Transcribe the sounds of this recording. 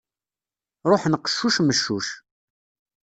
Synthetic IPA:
ɾˤoħnəqːə̥ʃːuʃməʃːuʃ

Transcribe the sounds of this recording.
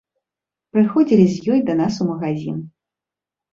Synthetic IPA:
pɾɨxɔd͡zʲilʲizʲjɔjd̪ɐnasumɐɣazʲḭn

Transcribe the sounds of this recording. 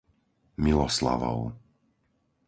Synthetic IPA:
milɔsla̰ʋɔ̰ʊ

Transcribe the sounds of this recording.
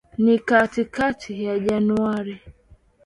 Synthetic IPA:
nikatikatʰijad͡ʒanuaɾi

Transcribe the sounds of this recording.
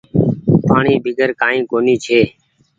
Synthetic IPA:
paːɳiːbʱɪɡʱəɾkaːĩːkoːniːt͡ʃʰeː

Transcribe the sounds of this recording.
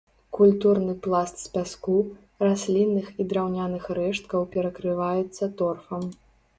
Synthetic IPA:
kulʲt̪urnɨplˠast̪sʲpʲasku | rasʲlʲinːɨxid̪ɾawnʲanɨxɾɛʂt̪̚kɐwpʲɛɾɐkɾɨvajɛt̪sːɐt̪ɔrfɐm

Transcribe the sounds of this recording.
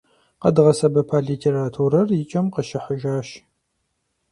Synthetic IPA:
qɐdɨʁɐsɐbɐpʰaːɮiːtʰeːɾaːtʰuːɾɐrjɪt͡ʃʼɐmqɐʃɪħəʒaːʃ

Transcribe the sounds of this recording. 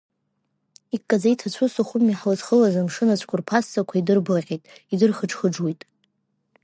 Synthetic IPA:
ikʼːad͡zajtʰat͡ɕʷʰʊsaχʷʊmːiħlɨzχəlazamʂɨnat͡ɕʷʰʼkʷʰʊrpʰasːakʷʰaidɨrbɨʁʲʼejtʼidɨrχəʈ͡ʂʰχəʈ͡ʂwijtʼ

